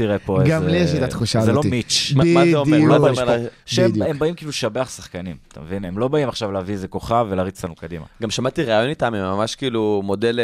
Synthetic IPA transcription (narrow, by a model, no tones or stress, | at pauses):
tiʁepoeɡamlieʃat̪at̪χuʃazelomit͡ʃmazeoeoemeʃeemembaimkiːluʃabeaχsḁχkanimt̪a̰mevine̞mlo̞baimaχʃavlaviezeko̞χavelaːʁit͡slanukad̪ima̰ɡamʃamat̪iʁaajo̞nit̪amemːamaʃkiiːlumo̞del